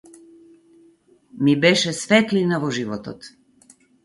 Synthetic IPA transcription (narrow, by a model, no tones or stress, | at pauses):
mibɛʃɛsfɛt̪linavɔʒivɔt̪ɔ̰t̪